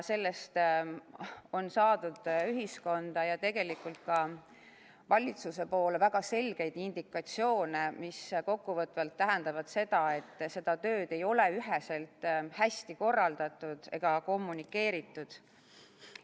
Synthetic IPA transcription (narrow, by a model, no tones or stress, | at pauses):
se̞lːe̞st̪ | o̞nsɑːd̪̥ud̪̥yɦisko̞nd̪̥ɑjɑt̪e̞ɡ̥e̞likˑult̪̚kɑ | vɑlʲit̪suse̞po̞ːlevæɡ̥ɑse̞lɡ̥e̞jd̪̥ind̪̥ikːˑɑt̪sio̞ːne̞misko̞kːuvɤt̪ːˑvɑlt̪ːæɦɛnd̪̥ɑvɑd̪̥se̞d̪̥ɑe̞t̪ːˑse̞d̪̥ɑt̪ø̞ːd̪̥e̞jo̞le̞yɦese̞lt̪hæst̪iko̞rːɑld̪̥ɑt̪ːˑud̪̥e̞̰ɡ̥ɑko̞mːunikːˑe̞ːɾit̪ːˑud̪̥